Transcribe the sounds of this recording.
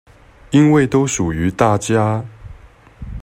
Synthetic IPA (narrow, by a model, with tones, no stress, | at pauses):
i˦nwe˥˨ɪt̪o˥ʊʂu˨˩y˨˥˦t̪a˥˨t͡ɕja˥